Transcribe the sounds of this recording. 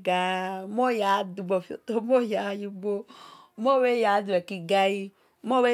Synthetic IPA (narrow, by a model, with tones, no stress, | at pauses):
ɡa˦mo˦ja˨˦du˨ɡ͡bo˨fo̰˨to˦mo˦ja˨˦ju˦ɡ͡bo˦mo˦we˦ja˨˦du˨ɛ˨ki˨ɡa˦ji˦ | mo˦we˦